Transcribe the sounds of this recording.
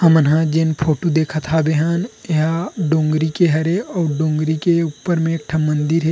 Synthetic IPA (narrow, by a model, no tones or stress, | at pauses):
hɐmənɦãd͡ʒenpʰoːʈud̪eːkʰat̪ʰabeɦaːneɦaɖõːŋɡɾikeɦɐɾeɔːɾɖõːŋɡɾikeupːəɾmẽːk̚ʈʰamɐ̃nd̪ɪɾɦe